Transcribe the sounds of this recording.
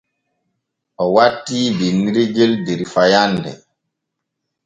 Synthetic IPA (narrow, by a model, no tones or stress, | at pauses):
ɔwatːibiniɾiɡeldeɾifajandɛ̰